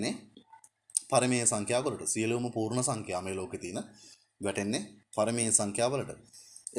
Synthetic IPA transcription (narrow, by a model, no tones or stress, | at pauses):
nːe | pɐɾɐmeːsɐŋkʰjaːʋɐlɐʈəsijɐliʋumɐpuːɾɳɐsɐŋkʰjaːmeːloːket̪iːnɐ | ʋɛʈenːepɐɾɐmeːjsɐŋkʰjaːʋɐlɐʈəe